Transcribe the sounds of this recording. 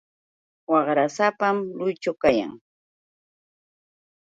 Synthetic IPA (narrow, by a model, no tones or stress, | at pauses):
wɑχɾasapamlʊjt͡ʃʊwkaja̰ŋ